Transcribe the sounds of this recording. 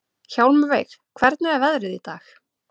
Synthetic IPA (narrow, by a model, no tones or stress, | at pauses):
çawlmʏvejxkʰvɛɾt̪nʏɛvɛðɾɪðit̪aːx